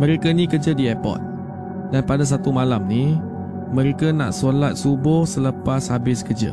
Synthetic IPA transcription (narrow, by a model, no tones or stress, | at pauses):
mə̃ɾekənĩkərd͡ʒədiɛpɔ̰t̪̚ | d̥anpadas̬at̪umalamni | mə̃ɾekəna̰ʔsolat̪̚subʊhsələpashabɪskərd͡ʒə̰